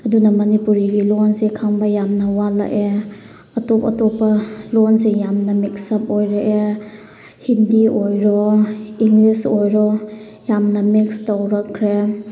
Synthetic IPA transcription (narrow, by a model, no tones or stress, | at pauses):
ɐdunɐmɐnipuɾiɡilɔnsekʰaŋbɐjamnɐwala̰ʔe | ɐtɔpɐ̰tɔpːɐlɔnsejamnɐmik̚sɐp̚ojɾaʔe | hindiojɾɔiŋlisojɾɔ | jamnɐmikstɐwɾɐkʰːɾe